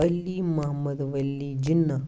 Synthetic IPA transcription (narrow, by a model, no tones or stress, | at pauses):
ɐlːiːmɐɦɐmːɐd̪ʋɐlːiːd͡ʒinːɐ